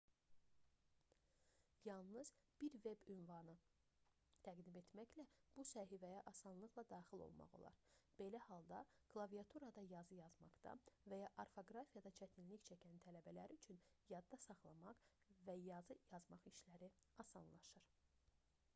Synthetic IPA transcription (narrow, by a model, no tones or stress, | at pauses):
jɑlˠnɯz̥b̥iɾve̞bynvɑnɯ | t̪ʰæɡd̪ime̞t̪mæçlæb̥usæɦivæjæʔɑsɑnlˠɯɣlˠɑd̪ɑːxilˠo̞̰lˠmɑ̰ʁo̞̰lˠɑ̰ɾb̥e̞læhɑlˠd̪ɑɡ̥lˠɑvijɑt̪ʰuɾɑd̪ɑjɑzɯjɑzmɑqd̪ɑ̰væjɑʔɑɾfo̞ɡɾɑfijɑd̪ɑt͡ʃʰæt̪ʰinliçt͡ʃʰæcʰænt̪ʰælæbælæɾiyt͡ʃʰynjɑd̪ːɑsɑχlˠɑmɑq | væjɑzɯjɑzmɑχiʃlæɾiɑsɑnlˠɑʃɯɾ̥